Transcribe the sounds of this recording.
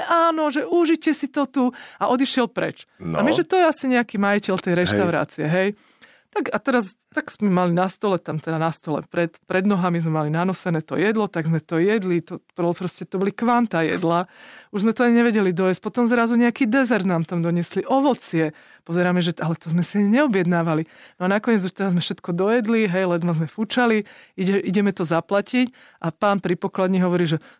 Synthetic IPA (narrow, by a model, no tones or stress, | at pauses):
ʔaːnɔʒɛʔuʒicɛsit̪ɔt̪uaʔɔd̪iʃɪɛlpɾɛ̰t͡ʃamiʒɛt̪ɔjɛasiɲɛakiːmajicɛlt̪ɛjɾɛʃt̪aʊɾa̰ːt͡siɛɦɛj | t̪akat̪ɛɾast̪aɡz̥mɛmalinast̪ɔlɛt̪amt̪ɛd̪anast̪ɔlɛ̰pɾɛt̪pɾɛd̪nɔɦamizmɛmalinanɔsɛnɛːt̪ɔ̰jɛd̪lɔt̪aɡzmɛt̪ɔjɛd̪lit̪ɔpɔpɾɔscɛt̪ɔbɔlikʋant̪ajɛ̰d̪lauʒzmɛt̪ɔaɲiɲɛʋɛɟɛlid̪ɔjɛsc̚pɔt̪ɔmzɾazuɲɛakiːd̪ɛzɛɾd̪naːmt̪amd̪ɔɲɪɛsliʔɔʋɔt͡sɪɛ | pɔzɛɾaːmɛʒɛʔalɛt̪ɔzmɛsiaɲɛɲɛɔbjɛd̪naːʋalinɔanakɔɲɛd͡zuʃt̪ɛdazmɛfʃɛt̪kɔd̪ɔjɛd̪liɦɛjlɛd̪mazmɛfut͡ʃaliiɟɛʔiɟɛmɛt̪ɔzaplacic | ʔapaːnpɾipɔklad̪ɲiɦɔʋɔɾiːʒɛ